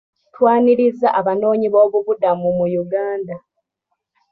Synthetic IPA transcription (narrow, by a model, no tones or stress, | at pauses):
twaːniɾizaʔaβano̞ːɲiβo̞ːβuβudamumujuɡaːnda